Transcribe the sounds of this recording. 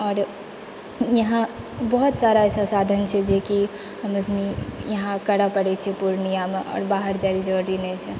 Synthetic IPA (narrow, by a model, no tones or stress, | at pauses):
ɔːɾ | jəɦã | bəɦut̪saɾaɛsasad̪ʱənt͡ʃʰɛd͡ʒeki | ɦəməsmijəɦãkəɽapəɽɛt͡ʃʰɛpuɾnijameʔɔ̰ːɾbaɦəɾd͡ʒaɾid͡ʒɔɾinɛt͡ʃʰɛ